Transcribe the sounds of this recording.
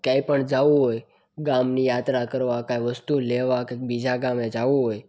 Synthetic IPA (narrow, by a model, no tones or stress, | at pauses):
kaipəɳd͡ʒaʋuɦoj | ɡamnijat̪ɾakəɾʋakaiʋəst̪uleʋakebid͡ʒʱaɡamed͡ʒaʋuɦoj